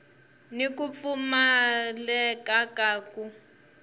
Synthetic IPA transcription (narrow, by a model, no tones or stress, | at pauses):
nikup̪fumalɛkakaːku